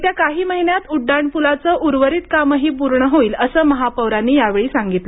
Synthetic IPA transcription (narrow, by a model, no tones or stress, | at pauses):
t̪jakaɦiːməɦinjat̪uɖːaɳpulat͡səʔuɾʋəɾiːt̪̚kaməɦiːpuɾɳəɦoiːləsəːməɦapəʋɾanːiːjaʋeɭiːsaŋɡit̪ə